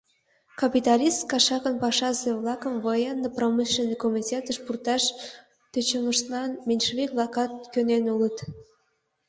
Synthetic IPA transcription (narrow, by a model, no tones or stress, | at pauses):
kɑpit̪ɑlʲist̪kɑʃɑkənpɑʃɑzeβlɑkəmvəjɑnd̪əpromɨʃenekomitʲet̪əʃpurt̪ɑʃ | t̪øt͡ɕəməʃt̪lɑnmenʲʃβikβlɑkɑt̪̚kønenulət̪